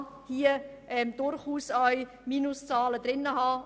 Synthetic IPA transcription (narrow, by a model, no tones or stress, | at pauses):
hiəʔɛmd̥ʊɾχuːsœʏ | miːnʊst͡sɑːlədɾɪnːəɦɑː